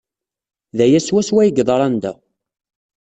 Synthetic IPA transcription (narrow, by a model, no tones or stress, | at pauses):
ðæjæswæswæjəɡðˤɾˤɑnd̪æ̰